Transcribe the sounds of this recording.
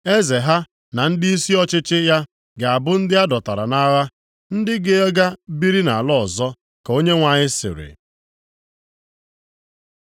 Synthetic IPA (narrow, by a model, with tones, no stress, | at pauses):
e˦ze˨ɦa˦ | na˨n̩˦dɪ˦i˦si˦ɔ˦t͡ʃɪ˦t͡ʃɪ˦ja˦ | ɡa˨bʊ˦n̩˦dɪ˦a˦dɔ˨ta˨ɾa̰˨na˦ɣa˦ | n̩˦dɪ˦ɡɪ˦e˦ɡa˦bi˦ɾi˦na˨a˨lɔ˦˨zɔ˦ | ko˦ɲe˦ŋʷa˨ɲɪ˦sɪ̰˨ɾɪ̰˨